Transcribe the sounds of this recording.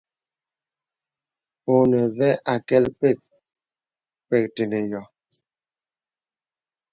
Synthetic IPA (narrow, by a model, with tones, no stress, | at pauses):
o˨nə˨vɛ˦ʔa˨kɛ˦lpe˦˨k̚ | pɛ˦˨k̚te˨ne˨jɔ˨